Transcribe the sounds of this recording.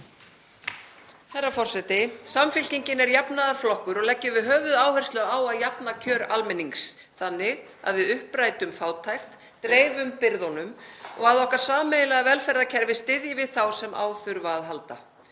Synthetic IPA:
hajrːafɔr̥sɛt̪ɪsamfɪl̥ciɲcɪnɛɾjapnaðaɾflɔhkʏɾɔɣlɛcːɪvɪðɦœːvʏðaːwhɛr̥st̪lœaːwaðjapnacʰœːɾalmɪniŋks | θanːɪ | a̰ðvɪðʏhpɾajt̪ʏmfaːwt̪ʰajxt̪ | t̪ɾeːjvʏmpɪɾðɔnʏmɔ̰ɣaðɔhkaɾ̥saːmejlɛɣavɛlfɛɾðacʰɛɾvɪst̪ɪðjɪvɪðθawsɛmʔa̰ːwθʏɾvaːðɦalt̪a̰

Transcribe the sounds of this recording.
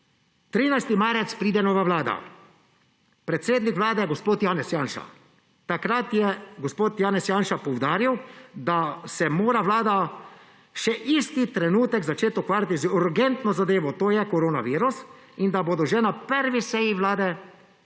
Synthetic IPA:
t̪ɾiːnajst̪imaːɾɛt̪spɾiːd̪ɛnɔːʋaʋlaːd̪a̰ | pɾɛt̪seːd̪nikʋlaːd̪ɛjɛɡospoːt̪jaːnɛsjaːnʃa̰ | t̪akɾat̪jɛɡospoːt̪jaːnɛsjaːnʃapɔwd̪aːɾiwd̪asɛmoːɾaʋlaːd̪a | ʃɛʔist̪it̪ɾɛnuːt̪ɛkzat͡ʃeːt̪ɔkʋaːɾʲjat̪izuɾɡɛnt̪nɔzad̪eːʋɔt̪oːjɛkɔɾoːnaʋiːɾus | ind̪aboːd̪ɔʒɛnapəɾʋisɛjiʋlaːd̪ɛ

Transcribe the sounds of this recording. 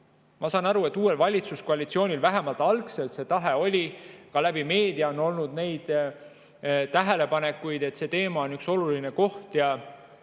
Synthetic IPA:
mɑsɑːnɑɾue̞t̪ːˑuːe̞lvɑlʲit̪suskoɑlit̪sio̞ːnʲilvæɦe̞mɑlt̪ːˑɑlkse̞lt̪se̞t̪ɑɦe̞o̞lʲikɑlæb̥ime̞ːd̪iɑono̞lnud̪ne̞jd̪̥ | t̪æɦe̞le̞pɑne̞kːˑujd̪e̞t̪ːse̞ːt̪e̞ːmɑonykso̞luline̞ko̞ht̪jɑ

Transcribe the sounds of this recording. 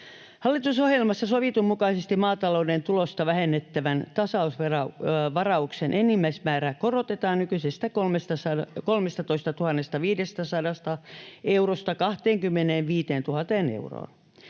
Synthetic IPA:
hɑlːit̪usohjelmɑsːɑsoʋit̪ummukɑisest̪immɑːt̪ɑloːdent̪ulost̪ɑʋæhenːet̪ːæʋænt̪ɑsɑusʋerɑʋɑrɑuksenʔenːimːæismæːɾæːkorot̪et̪ɑːnnykysest̪ækolmest̪ɑsɑkolmest̪ɑt̪oist̪ɑt̪uhɑnːest̪ɑʋiːdest̪æsɑdɑst̪ɑeurost̪ɑkɑht̪eːŋkymːeneːʋʋiːt̪eːnt̪uhɑt̪eːnḛuro̰ːn

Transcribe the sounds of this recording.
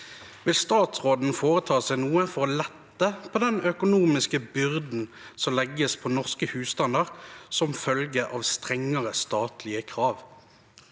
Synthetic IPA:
ʋɪlst̪ɑːt̪sʁoːd̪n̩foːʁət̪ʰɑːsæɪnuːəfɔʁlɛt̪ːəpʰoːd̪ɛnœkʊnuːmɪskəbʏʁd̪n̩ | sɔmlɛɡəspʰɔːnɔʁskəhʉːst̪ɑnd̪əʁsɔmfœlɡəʔɑʋst̪ʁɛŋːəʁəst̪ɑːt̪lɪəkʰʁɑːʋ

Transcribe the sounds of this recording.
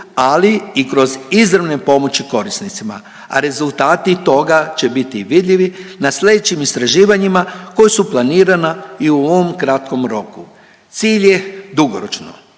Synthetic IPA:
aliikɾo̞zizɾaʋne̞po̞mo̞t͡ɕiko̞ɾisnit̪sima̰ | a̰ɾe̞zulˠt̪aːt̪it̪o̞ɡat͡ʃe̞bit̪iʋid̪ʎʲiʋinaslʲe̞d̪et͡ʃimist̪ɾaʒiːʋaɲimakojesuplˠaniːɾanaiuooomkɾat̪ko̞mɾo̞ku | t̪siːʎje̞d̪uɡoɾot͡ʃno̰

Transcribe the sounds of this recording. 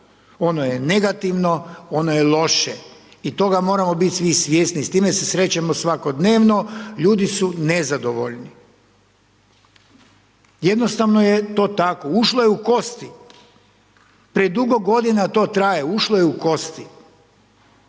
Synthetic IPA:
o̞nojene̞ɡat̪iʋno̞o̞nojelˠo̞ʃe | it̪o̞ɡamo̞ːɾamo̞bit̪ʲsʋisʋjeːsnist̪iːmese̞sɾe̞t͡ɕamosʋako̞d̪ne̞ːʋno̞ʎuːd̪isunezad̪oʋo̰ʎni | jed̪nost̪aʋnojet̪o̞ːt̪ako̞uʃlojeuko̞st̪i | pɾied̪uɡo̞ɡo̞d̪inat̪o̞ːt̪ɾajeuʃlojeuko̞st̪i

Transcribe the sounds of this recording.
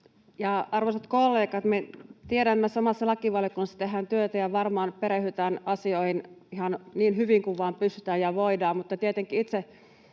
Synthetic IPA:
jɑɑrʋosɑt̪kolːeːkɑt̪met̪ieɾæmːesɑmɑsːɑlɑkiʋɑljokunːɑst̪ehːˑænt̪yøt̪æjɑʋɑrmɑːnpeɾehyt̪æːnʔɑsioihinihɑnniːnhyʋiŋkuʋʋɑːmpysy̥t̪æːjɑʋoidɑːmmut̪ːɑt̪iet̪eŋkːˑiit̪se

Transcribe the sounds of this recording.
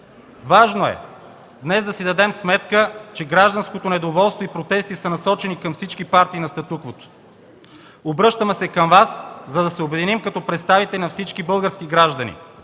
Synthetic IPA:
vaʒnoɛ̰ | d̪nɛzd̪ɐsid̪ɐd̪ɛmsmɛt̪kət͡ʃɛɡɾaʒd̪ɐnskot̪onɛd̪ovɔlˠst̪voipɾot̪ɛst̪isənɐsɔt͡ʃɛnikɐmfsit͡ʃkipaɾt̪iːnɐst̪ɐt̪ukvot̪o̥ | obɾɤʃt̪əmɛsɛkɐmvaszɐd̪ɐsɛobɛd̪inimkɐt̪ɔpɾɛt̪st̪avit̪ɛlʲinɐfsit͡ʃkibɤlˠɡəɾskiɡɾaʒd̪ɐnḭ

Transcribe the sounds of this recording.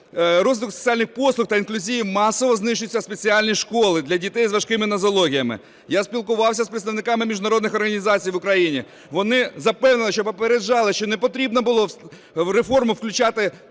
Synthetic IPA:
ɾɔzʋʲɪt̪kʊkse̥t͡sʲialʲnɪxpɔslˠʊxt̪ɐinklʲuzʲijimɑsɔʋɔznɪʃʊt͡sʲːɐspet͡sʲiɑlʲnʲiʃkoɔlˠɪd̪lʲɐdʲit̪ɛjzʋɐʃkɪmɪnɐzɔlˠɔɦʲijɐmɪ̰ | jaspʲilˠkʊʋɑwsʲɐspɾɪt̪st̪ɐʋnɪkɑmɪmʲiʒʊnɐɾɔd̪nɪxɔrɣɐnʲizɑt͡sʲijʋʊkɾɐjinʲḭ | ʋɔnɪzɐpɛwnɪnlˠɪʃt͡ʃɔpɔpeɾed͡ʒɑlˠɪʃt͡ʃɔnepɔt̪ɾʲibnɔbʊlˠɔ | ɾefɔrmʊwklʲʊt͡ʃɑt̪ɪ

